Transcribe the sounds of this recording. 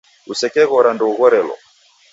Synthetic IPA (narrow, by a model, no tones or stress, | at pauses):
usɛkɛɣɔɾandɔuɣɔɾɛlɔ̰